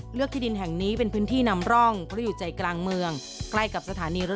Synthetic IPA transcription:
ɾɯ˥˩k̚t̪ʰiː˥˩di˧nɦɛ˨˩ŋniː˦˥pe˧npʰɯː˦˥nt̪ʰiː˥˩na˧mɾɔ˥˩ŋpʰɾɔ˦˥juː˨˩t͡ɕa˨˩jklaː˧ŋmɯ˧əŋ | kla˥˩jka˨˩p̚sa˧t̪ʰaː˩˦niː˧ɾ

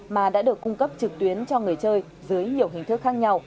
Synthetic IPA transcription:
maː˨˩ɗa̰ː˧˥ɗɨ˨˩əkːʊ˧ŋ͡mkə˦˥p̚t͡ɕɨ˨˩k̚t̪wi˨˦ənt͡ɕɔ˧ŋɨ˨˩əjt͡ɕəː˧j | zɨ˨˦əjɲi˨˩əwɦï˨˩ŋ̟t̪ɨ˦˥k̚xaː˦˥k̚ɲa˧w

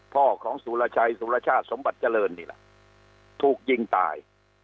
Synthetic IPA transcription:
pʰɔː˥˩kʰɔː˩˦ŋsuː˨˦la˧t͡ɕʰa˧jsuː˨˦la˧t͡ɕʰaː˥˩t̪̚so˨˦mba˨˩t̪̚t͡ɕa˧lɤː˧nːiː˥˩lɛ̰˨˩ | t̪ʰuː˨˩k̚ji˧ŋt̪a̰ː˨˧j

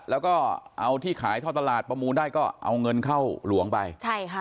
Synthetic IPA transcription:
lɛː˦˥wkɔː˥˩ʔa˧wt̪ʰiː˥˩kʰaː˩˦jt̪ʰa˥˩wt̪a˧laː˨˩t̪̚pɾa˧muː˧ndaː˥˩jkɔː˥˩ʔa̰˧wŋɤ˧nkʰa˥˩wlu˨˩˦əŋpa˧jt͡ɕʰa˥˩jʰ

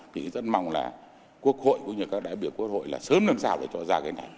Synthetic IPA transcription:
kḭ˧˨zə˦˥t̚ma̰˧˨wŋ͡mla̰ː˨˩ | ku˦˥ək̚ho̰˧˨jkʊ̰˧˥ŋ͡mɲɨ˧˩kaː˦˥k̚ɗaː˧˨jɓi˧˩əwku˦˥ək̚ho̰˧˨jlaː˨˩səː˨˦mlə˧msaː˧˩wɗe˧˩t͡ɕɔ˧zaː˧kaː˨˧˦na˨˩j

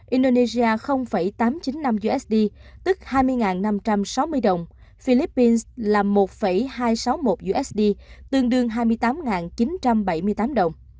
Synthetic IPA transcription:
ʔi˧nɗo˧ne˧zi˧aː˧xə˧wŋ͡mfə˧˩jt̪aː˨˦mt͡ɕi˨˦nːa˧mzu˧ʔɛ˦˥sɗi˧t̪ɨ˦˥k̚haː˧jmɨ˧əjŋaː˨˩nːa˧mt͡ɕa˧msa˨˦wmɨ˧əjɗə˨˩wŋ͡m | fi˧li˦˥pːi˧nslaː˨˩mo˨˩t̚fə˧˩jhaː˧jsa˨˦wmo˨˩t̚zu˧ʔɛ˦˥sɗi˧t̪ɨ˧əŋɗɨ˧əŋɦaː˧jmɨ˧əjt̪aː˨˦mŋaː˨˩nt͡ɕi˨˦nt͡ɕa˧mɓə˧˩jmɨ˧əjt̪aː˨˦mɗə˨˩wŋ͡m

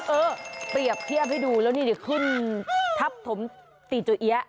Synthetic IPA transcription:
ʔɤː˧pɾi˨˩əp̚t̪ʰi˥˩əp̚ha˥˩duː˧lɛː˦˥wniː˥˩di˧˩kʰɯ˥˩nt̪ʰa˦˥p̚t̪ʰo˩˦m | t̪iː˨˩t͡ɕu˧˩ʔi˦˥ɐ˩ʔ

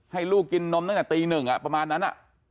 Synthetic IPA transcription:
ha˥˩jluː˥˩k̚kːi˧nːo˦˧˥mna˥˩ŋnɛ˨˩t̪iː˧nɯ˨˩ŋʔa̰˨˩pɾa˧maː˧nːa˦˥nʔa̰˨˩ʔ

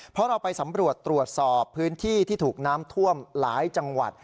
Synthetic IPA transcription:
pʰɾɔ˦˥ɾa˧wpa˧jsa˩˦mɾu˨˩ət̪ːɾu˨˩ət̪̚sɔː˨˩ppʰːɯː˦˥nt̪ʰiː˥˩t̪ʰiː˥˩t̪ʰuː˨˩k̚naː˦˥mt̪ʰu˥˩əmlaː˩˦jt͡ɕa˧ŋwa̰˨˩t̪̚

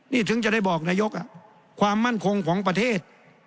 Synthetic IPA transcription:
niː˥˩t̪ʰɯ˩˦ŋt͡ɕa˨˩da˥˩jbɔː˨˩k̚naː˧jo˦˥k̚ʔa˧˩ | kʰwaː˧mːa˥˨nkʰo˧ŋkʰɔː˩˦ŋp̬ɾa˧t̪ʰeː˥˩t̪̚

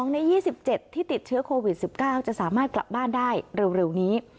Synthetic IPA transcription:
ɔ˩˦ŋna˧jiː˥˩si˨˩p̚t͡ɕe˨˩t̪ʰːiː˥˩t̪i˨˩t̪̚t͡ɕʰɯ˦ɐkʰoː˧wi˨˩t̪̚si˨˩p̚kaː˥˩wt͡ɕa˨˩ʔsaː˩˦maː˥˩t̪̚kla̰˨˩p̚baː˥˩ndaː˥˩jɾe˧wɾe˧wniː˦˥

